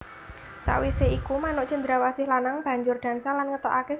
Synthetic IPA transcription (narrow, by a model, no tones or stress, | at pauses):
sa̰ʔwiseikumanʊʔd̥ʒ̥ə̤nd̪ɾawasɪhlanaŋb̥ä̤ɲd͡ʒʊrd̪̥ä̤nsalanŋət̪oʔake